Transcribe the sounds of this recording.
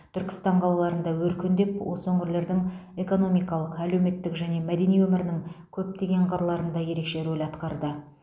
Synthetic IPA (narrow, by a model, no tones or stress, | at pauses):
t̪ʰʏɾkʲɪ̥st̪ɑɴqʰɑlˠɑlˠɑɾənd̪ɑwɵɾkʲɪnd̪e̞pwo̞̰səɵŋɡʲɪɾle̞ɾd̪ɪŋe̞ko̞no̞mijkɑlˠəqæle̞wme̞t̪ːɪkʒæne̞mæd̪e̞nijwɵmɪɾɪnɪŋkʲʰɵp̚t̪e̞ɡʲe̞ɴqʰɑɾlˠɑɾənd̪ɑje̞ɾe̞kʃe̞ɾolʲɑt̪qɑɾd̪ə